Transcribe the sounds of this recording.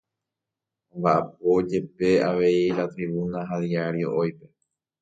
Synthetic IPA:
ãmbaʔap̚od͡ʒe̞pe̞aʋe̞iɾat̪ɾiβunãɦaðiaɾio̞ʔojpe̞

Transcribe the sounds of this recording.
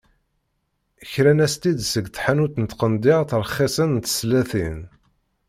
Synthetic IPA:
əçɾænæst̪id̪səɡθħanut̪nət̪qənd̪ɪʁθəɾˤχːɪsənt̪ə̥slæθin

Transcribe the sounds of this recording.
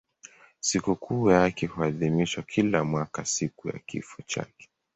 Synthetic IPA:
sikukʰujakɛhuaðimiʃwakʰilamwakasikuja̰kḭfɔt͡ʃa̰kɛ̥

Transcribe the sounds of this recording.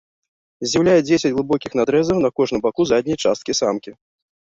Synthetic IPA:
zʲjawlʲajɛd͡zʲesʲɐd͡zʲɣlˠɨbɔkʲixn̪ad̪ɾɛzɐwnɐkɔʐnɨmbakuzadʲnʲijt͡ʂast̪̚kʲisamkʲi

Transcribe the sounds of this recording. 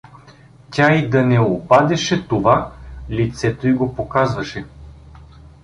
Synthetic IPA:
tʲaid̪ɐnɛopad̪ɛʃɛt̪ovalit̪sɛt̪oiɡopokazvɐʃɛ

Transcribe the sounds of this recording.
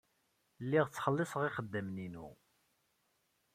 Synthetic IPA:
lːiʁt͡sːχəlːɪsəʁɪχəd̪ːəmninṵ

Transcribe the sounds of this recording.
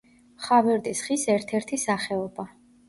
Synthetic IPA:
χavɛɾd̪isχisɛɾt̪ʰɛɾt̪ʰisaχɛɔba

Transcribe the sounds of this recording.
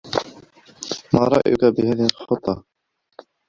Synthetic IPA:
maːɾˤɑ̰ʔjʊkabɪhaðiɪlxʊt̪ˤːɑ

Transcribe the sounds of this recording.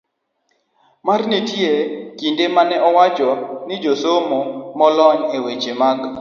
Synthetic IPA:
marnetjekindemanɛʔɔwat͡ʃɔnɪd͡ʒosomomɔlɔɲewet͡ʃemaɡ

